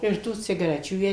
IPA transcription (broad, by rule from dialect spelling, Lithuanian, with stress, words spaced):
ɪr ˈtuː t͡sʲɪɡɐˈrʲæːt͡ʃʲuː ˈjiɛ